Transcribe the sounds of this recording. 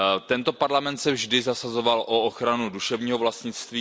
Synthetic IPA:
t̪ɛnt̪o̞paɾlamɛnt̪sɛvʒdɪzasazo̞valʔoʔoxɾanuduʃɛvɲiːɦovlast̪ɲɪt͡st̪viː

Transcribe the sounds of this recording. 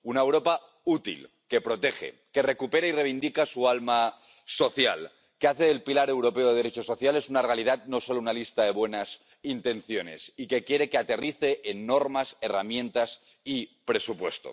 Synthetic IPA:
unaewɾo̞pa | ut̪ḭl | ke̞pɾo̞t̪e̞xe̞̰ | ke̞re̞kupe̞ɾaire̞β̞ind̪ikasualma | so̞θja̰l | keaθeðe̞lpilaɾe̞wɾo̞pe̞oðe̞ð̞eɾe̞t͡ʃoso̞θjale̞sunare̞alið̞at̪̚no̞so̞lounalist̪aðe̞βwe̞nas | int̪e̞nθjo̞ne̞̰sike̞kje̞ɾe̞keat̪e̞riθe̞ʔːnːo̞ɾmase̞ramjẽ̞nt̪as | ipɾe̞supwe̞st̪o̞̰

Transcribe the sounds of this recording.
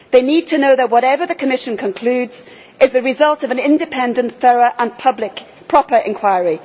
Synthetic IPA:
ðeɪnid̚tʰɨnoʊðət̚wɒɾɛvə˞ðəkʰəmɪʃə̃nkʰə̃nkʰl̥ʉːdz̥ | ʔɪzðɨɹɪzʌlˠtʌvə̃nɪ̃ndɨpʰɛ̃ndə̃nθɜɹəʔə̃npʰʌblɪk | pʰɹ̥ɒpə˞ʔɪ̰̃nkʰw̥aɪɹi

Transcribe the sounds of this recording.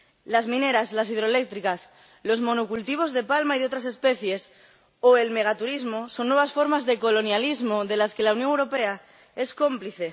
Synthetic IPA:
lazmĩne̞ɾaslas̬iðɾole̞k̚t̪ɾikas | lo̞zmõ̞nukult̪iβ̞o̞zðe̞palmaiðo̞t̪ɾase̞spe̞θje̞s | oe̞lme̞ɣat̪uɾizmo̞so̞nːwe̞βasfo̞ɾmazðe̞ko̞lo̞njalizmo̞ðe̞laske̞launjoŋewɾo̞pe̞a | e̞sko̞mpliθe̞

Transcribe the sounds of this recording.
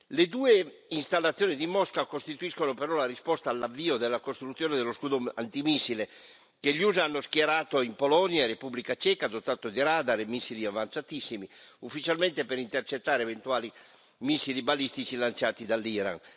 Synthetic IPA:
led̪uːe | inst̪alːat̪sːjoːnid̪imɔskakost̪it̪uiskonopeɾɔlaɾispɔst̪aːlːavːiːod̪elːakost̪ɾut̪sjoːned̪eloskuːd̪oa̰nt̪imisːile | keʎuːzanːoskjɛɾaːt̪oimpolɔnjarepublikat͡ʃɛːkad̪ot̪aːt̪od̪iɾaːd̪aɾemisːiliavant̪sat̪isːimiufːit͡ʃalment̪epeɾint̪ert͡ʃet̪ːaːɾevent̪uaːli | misːilibalist̪it͡ʃilant͡ʃaːt̪id̪alːiːɾa̰n

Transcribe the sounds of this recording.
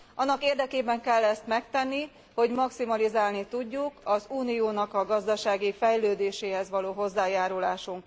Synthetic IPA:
ʔɒnːɒkeːrd̪ɛkeːbɛŋkɛlːɛst̪mɛk̚t̪ɛnːi | ho̞ɟmɒksimɒlizaːlnit̪uɟːukɒzuːnijoːnɒkɒɡɒzd̪ɒʃaːɡifɛjløːd̪eːʃeːɦɛzʋɒloːɦo̞zːaːjaːɾulaːʃuŋk

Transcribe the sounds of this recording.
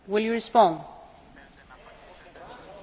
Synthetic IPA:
wɪlˠjɨɹɪspɑ̃nd

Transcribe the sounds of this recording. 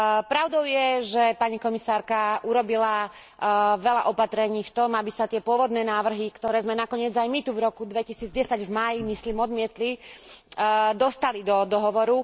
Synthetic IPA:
pɾaʊd̪ɔʊjɛʒɛpaɲikɔmisaːɾkaʔuɾɔbila | ʋɛlaʔɔpat̪ɾɛɲiːft̪ɔmabisat̪ɪɛpʊɔʋɔd̪nɛːnaːʋr̩ɦikt̪ɔɾɛːzmɛnakɔɲɪɛd͡zajmit̪uvɾɔkud̪ʋɛcisiːd͡zɟɛsaɟvmaːjimisliːmɔd̪mɪɛt̪li | d̪ɔst̪alid̪ɔd̪ɔɦɔʋɔɾu

